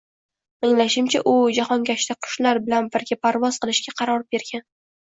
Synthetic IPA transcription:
ɪŋlaʃɪmt͡ʃʰaʔʊd͡ʒahɒŋɡʲaʃt̪aqʰʊ̥ʃlaɾbɪlanbɪɾɡʲapʰaɾvɒzqɨlˠɪʃɡʲaqʰɑɾɒɾbe̞ɾɡʲan

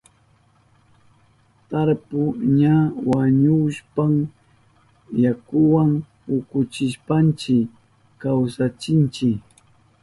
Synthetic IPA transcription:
t̪aɾpʊɲawaɲʊʃpam | jakʊwaŋ | ʊkʊt͡ʃɪʃpant͡ʃɪ | kawsat͡ʃɪnt͡ʃɪk

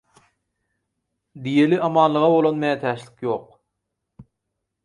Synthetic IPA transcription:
d̪ijeliʔɑmɑːnlˠɯʁɑbo̞lˠonmæːt̪ʰæːʃli̥kjo̞ːq

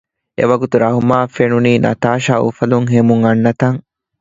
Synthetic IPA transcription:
ʔḛʋɐɡut̪uɾɐɦumaːfenuniːnʔɐ̰t̪aːʃaːṵfɐluŋɦemuŋɐnːɐt̪ɐŋ

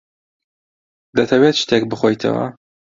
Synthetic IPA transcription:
d̪ɐt̪ʰɐwet̪t͡ʃɨ̥t̪ʰek̚bɨxojt̪ʰɐ̰wɐ̰

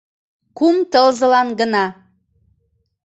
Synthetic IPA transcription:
kumt̪əlzəlɑnɡənɑ

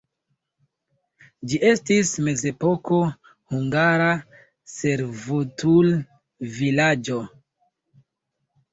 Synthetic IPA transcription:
d͡ʒiʔe̞stisme̞ze̞po̞ko̞ | huŋɡaɾa | se̞ɾvotul | vilad͡ʒo̞

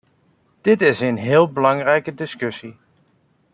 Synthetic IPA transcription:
d̥ɪtɪsənɦɪːlˠbəlɑŋrɛjkədɪskɵsi

